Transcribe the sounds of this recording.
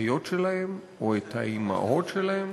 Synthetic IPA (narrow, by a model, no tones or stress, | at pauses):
jot̪ʃelahem | oet̪haima̰ʔo̞tʃelahem